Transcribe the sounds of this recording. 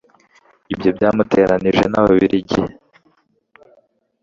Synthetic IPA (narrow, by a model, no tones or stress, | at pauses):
ibjo̞bɟaːmute̞ːɾaniʒe̞naβaβiɾiɟḭh